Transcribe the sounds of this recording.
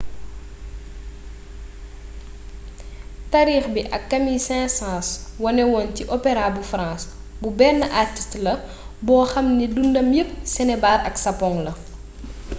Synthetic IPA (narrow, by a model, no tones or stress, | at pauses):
taɾiːxbiʔɐkːɐmisɛ̃ːsãːswɐnɛwɔːnciʔɔpɛɾabufɾãːs | bubɛːnəʔartistlɐ | bɔːxɐmnidundɐmjəp̚sɛnɛbaːɾɐksɐpɔŋlɐ